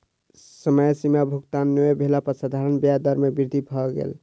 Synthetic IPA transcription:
səməjsimabʱukt̪anːobʱelapəɾsad̪ʱaɾənbjad̪əɾmebiɾd̪ʱibʱɔɡḛl

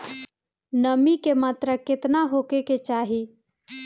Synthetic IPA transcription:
nəmikemaːt̪ɾəkɪt̪naɦoːkeket͡ʃaːɦi

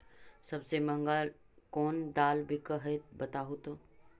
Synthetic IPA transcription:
sɐbsemɐ̃ŋɡal | kɔːnd̪aːlbʱikəɦət̪bɐt̪aɦot̪oː

